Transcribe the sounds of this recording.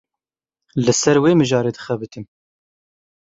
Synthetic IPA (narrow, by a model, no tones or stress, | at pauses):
lɨsɛɾweːmɨʒɑːɾeːd̪ɨ̥xɛbɨt̪ʰɨm